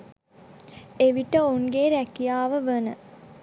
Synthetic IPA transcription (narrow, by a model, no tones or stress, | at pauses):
eʋiʈəoŋɡeːɾækijaːʋəʋənə